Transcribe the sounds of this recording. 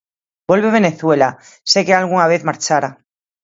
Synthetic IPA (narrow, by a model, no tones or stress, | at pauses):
bo̞lβe̞β̞e̞ne̞θwe̞la | sekealɣ̞uŋaβ̞eθmaɾt͡ʃaɾa